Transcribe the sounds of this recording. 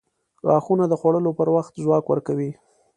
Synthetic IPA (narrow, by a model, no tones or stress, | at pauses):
ɾɑxunad̪əxwaɽəlopəɾwaxt̪zwɑkwəɾkawi